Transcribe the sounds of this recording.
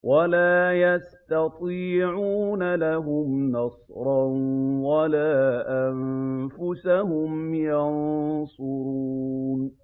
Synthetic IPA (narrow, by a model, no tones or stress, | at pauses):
wʔalaːjast̪ɑt̪ˤiːʕuːnalaɦʊmnɑsˤɾˤɑnwalaːʔamfʊsahʊmjɑnsˤʊɾuːn